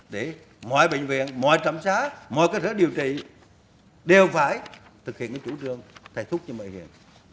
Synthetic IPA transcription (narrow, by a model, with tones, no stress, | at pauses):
ɗe˧˩ | mɔ̰˧˨jɓë˧˨ŋ̟vḭ˧˨ənmɔ̰˧˨jt͡ɕa˧˩msaː˨˥mɔ̰˧˨jkaː˦˥t̪̚ʰəː˧˦ɗi˨˩əwt͡ɕḭ˧˨ | ɗe˨˩wfaː˧˩jt̪ʰɨ˨˩k̚hḭ˧˨nə˧˨˩t͡ɕu˧˩˦t͡ɕɨ˨˧˩əŋt̪ʰa˨˩t̪ʰʊ˦˥k͡p̚ɲɔ˧mə̰˧˨hḭ˧˨ən